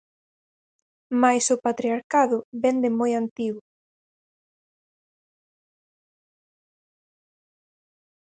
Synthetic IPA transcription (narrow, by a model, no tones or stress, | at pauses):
majsʊpat̪ɾiaɾkaðʊβɛnd̪ɪmojant̪iɣʊ